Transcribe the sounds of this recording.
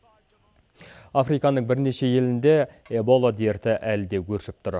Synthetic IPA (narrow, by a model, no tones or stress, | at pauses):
afɾijkɑnəɴbɪɾne̞ʃe̞je̞lɪnd̪e̞ | ebo̞lˠad̪eɾt̪ɪʔælɪd̪e̞kʲʰɵɾʃɪp̚t̪ʰʊɾ